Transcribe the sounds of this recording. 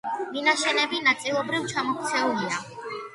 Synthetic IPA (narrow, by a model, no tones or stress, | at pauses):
minaʃɛnɛbinat̪sʼilˠɔbɾivt͡ʃʰamɔk̚ʰt̪sʰɛulia